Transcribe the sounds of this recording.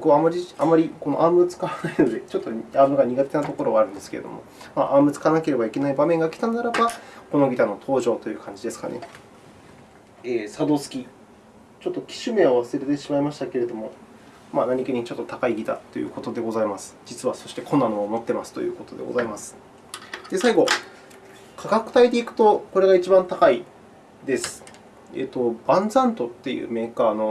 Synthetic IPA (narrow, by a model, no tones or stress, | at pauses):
okɯamːaɾʲiamaɾʲiko̞no̞ʔaːmɯ̟at͡sɨ̥kaβanaino̞d̪e̞t͡ɕo̞t̪ːoaːmɯ̟ɡaɲ̟iɡat̪e̞nat̪o̞ko̞ɾo̞βaɾɯ̟̃nd̪e̞sɨ̥ke̞ɾḛd̪o̰mo̞̰maʔaːmɯ̟t͡sɨ̥kaβanake̞ɾe̞baike̞naibamẽ̞ŋɡakʲi̥t̪anaɾabakono̞ɡʲit̪ano̞t̪ʰo̞ːʑo̞ːt̪o̞jɯ̟ːkʰãɲ̟d͡ʑid̪e̞sɨ̥ka̰nʔe̞̰ | eːsad̪o̞ːsɨ̥kʲi | t͡ɕo̞t̪ːo̞kʲi̥ɕɨmeaβasɨɾet̪e̞ɕimaimaɕi̥t̪ake̞ɾe̞d̪o̞mo̞ | manaɲ̟ikɯɲ̟it͡ɕo̞t̪ːo̞t̪akaiɡʲit̪a̰t̪ːo̞jɯ̰ko̞t̪od̪e̞ɡo̞zaimasɨ̥d͡ʑit͡sɨβaso̞ɕi̥t̪e̞kõ̞nːano̞ːmo̞t̪ːe̞masɨ̥t̪o̞jɯ̟̰ːko̞t̪o̞d̪e̞ɡo̞̰zaimasɨ̥ | d̪̥e̞saiɡo̞ | kʰaɡakɯ̟̥t̪ait̪e̞ikɯ̟̥t̪o̞ko̞ɾe̞ɡait͡ɕibãnt̪akai | d̪e̞sɨ̥ | ḛːt̪ːo̞bãnd͡zãnt̪o̞t̪ːe̞jɯ̟̰ːme̞ːkaːno̞